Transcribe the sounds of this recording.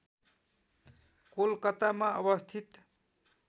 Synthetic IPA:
kolkʌt̪amaʌbʌst̪ʰit̪

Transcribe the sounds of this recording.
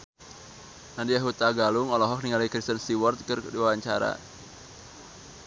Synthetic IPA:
nadijaɦut̪aɡalʊŋɔlɔɦɔk̚niŋalikɾist̪ənst̪iwɔrt̪̚kɨrdiwawaɲt͡ʃa̰ɾa̰

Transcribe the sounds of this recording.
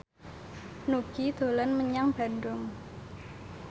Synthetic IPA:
nuɡ̥id̪̥o̤lanməɲaŋb̥a̤ndʊŋ

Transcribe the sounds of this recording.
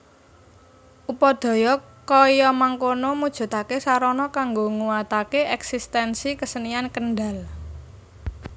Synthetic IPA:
ʔupɔd̪̥ɔ̤jɔ | kɔjɔmaŋkonɔmud̥ʒ̥ṳt̪akesaɾɔnɔkaŋɡoŋuwat̪akeʔɛksist̪ɛnsikəsəniankənɖal

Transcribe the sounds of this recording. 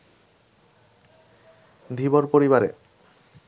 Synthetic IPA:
d̪ʱiboɾpoɾiβaɾḛ

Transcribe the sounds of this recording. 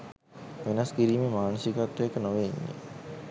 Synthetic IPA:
ʋenɐskiɾiːmemaːnəsiɡat̪ːuekənoʋeiɲːḛ

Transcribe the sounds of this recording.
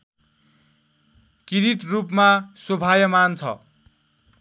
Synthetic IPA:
kiɾit̪rupmasobʱajʌmant͡sʰʌ̰

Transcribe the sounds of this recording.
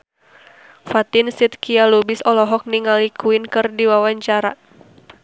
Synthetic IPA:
fat̪ɪnsit̪̚kialubɪsɔlɔɦɔk̚niŋalikʰuɪnkɨrdiwawaɲt͡ʃaɾa

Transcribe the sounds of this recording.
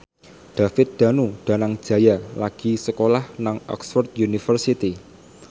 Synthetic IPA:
ɖ̥afɪt̪̚d̪̥a̤nuɖ̪̥a̤naŋd̥ʒ̥ä̤jalaɡ̥isəkolahnaŋɔ̰ksfɔrt̪̚junifərsit̪i

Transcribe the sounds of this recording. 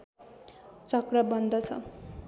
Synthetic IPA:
t͡sʌkrʌbʌnd̪ʌt͡sʰʌ̰

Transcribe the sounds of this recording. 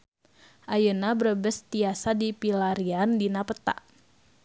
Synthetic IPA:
ʔajənabərəbəst̪iasadipilaɾiandinapət̪a̰ʔ

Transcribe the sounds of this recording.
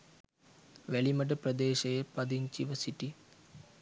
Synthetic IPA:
ʋeɭimɐʈ̬ɐpɾɐd̪eːʃɐjepɐd̪iɲt͡ʃiʋɐsiʈːi

